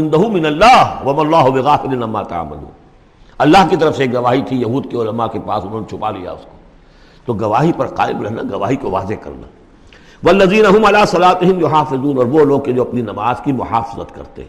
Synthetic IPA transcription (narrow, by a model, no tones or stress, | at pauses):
ɪ̃nd̪ɐɦʊmːɪnɐlːaːɦʋɐmɐlˤːaːɦʊbɪɣaːfɪlɪnɐmːaːt̪a̰a̰mːa̰lṵːn | ɐlːaɦkit̪ɐɾəfseeːk̚ɡɐʋaːɦit̪ʰijɐɦuːd̪̚keʊlɐmakepa̰ːsʊnɦoːnet͡ʃʰʊpalḭja̰ʊsko̥ | t̪oɡɐʋaːɦipɐɾqa̰ːɪbɾɐɦna̰ɡɐʋaːɦikoʋa̰ːzekɐ̰ɾna̰ː | ʋɐlːɐziːnɐɦʊmɐlaːsɐlaːt̪ɪɦɪmjʊɦaːfɪzuːnɔːɾʋoloːɡ̚ked͡ʒoɐpninɐmaːzkimʊħaːfɪzə̰t̪kɐ̰ɾt̪ḛ